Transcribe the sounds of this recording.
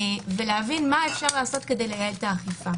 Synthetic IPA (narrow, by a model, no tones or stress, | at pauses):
ve̞leavinmaefʃaʁlaːso̞tke̞de̞jleɡaeltaːχifa